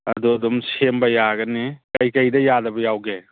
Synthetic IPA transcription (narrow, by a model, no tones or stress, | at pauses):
ɐ̰d̪uɐd̪umsembɐjaɡɐnikɐjkɐjdɐjadɐbɐjawɡe